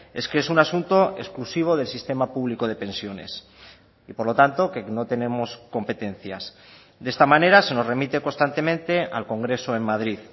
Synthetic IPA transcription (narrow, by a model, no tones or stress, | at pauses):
e̞skesunasunt̪o̞ʔe̞̰sklusiβ̞o̞ð̞e̞lsist̪e̞mapuβliko̞ðe̞pe̞nsjo̞ne̞̰s | ipo̞ɾlo̞t̪ant̪o̞ke̞no̞t̪e̞nẽ̞mo̞sko̞mpe̞t̪e̞n̟θjas | d̪e̞st̪amãne̞ɾase̞no̞zre̞mit̪e̞ko̞nst̪ant̪e̞mẽ̞nt̪e̞a̰lko̞ŋɡɾe̞so̞e̞mmaðɾið